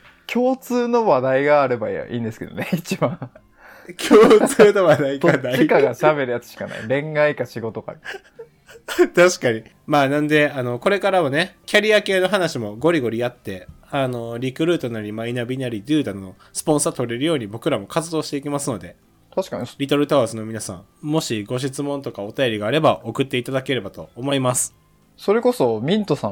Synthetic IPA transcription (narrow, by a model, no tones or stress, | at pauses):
kʲʰo̞ːt͡sɨːno̞βad̪aiɡaːɾɯ̟ba̰ḭ̃ːnd̪e̞sɨ̥ke̞d̪oneit͡ɕibã | kʲʰoːt͡sɨːnoβad̪aikanaiaɡaɕabe̞ɾɯ̟jat͡sɨ̥ɕi̥kana̰iɾẽ̞ŋɡaikaɕiɡo̞t̪oka̰ | t̪aɕi̥kaɲ̟i | maːnãnd̪e̞ano̞ko̞ɾe̞kaɾamane̞kʲaɾʲiake̞ːno̞ɦanaɕimo̞ɡo̞ɾʲiɡo̞ɾʲiat̪ːe̞ | ano̞ɾʲikɯ̟ɾɯ̟ːt̪o̞naɾʲimainabʲinaɾʲid̪ɯ̟ːd̪ano̞ | sɨ̥põ̞ɰ̃sat̪o̞ɾe̞ɾɯ̟jo̞ːɲ̟ibo̞kɯ̟ɾamo̞kat͡sɨd̪o̞ːɕi̥t̪e̞ikʲimasɨno̞d̪e̞ | t̪aɕi̥kaɲɾʲit̪o̞ɾɯ̟t̪aazɨno̞mʲinasã̰ŋ | mo̞ɕiɡo̞ɕ̬it͡sɨmõ̞nt̪o̞kao̞t̪ajo̞ɾʲiɡaːɾe̞baʔo̞kɯ̟t̪ːe̞it̪ad̪ake̞ɾe̞bat̪o̞ːmo̞imasɨ̥ | so̞ɾe̞ko̞so̞mʲĩnt̪o̞sã